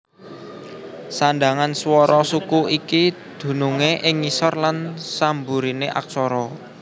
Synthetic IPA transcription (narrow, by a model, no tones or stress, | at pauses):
sanɖ̪aŋanswɔɾɔsukuikid̪̥ṳnuŋeʔɪŋːisɔrlansambuɾineʔa̰k̚t͡ʃɔɾɔ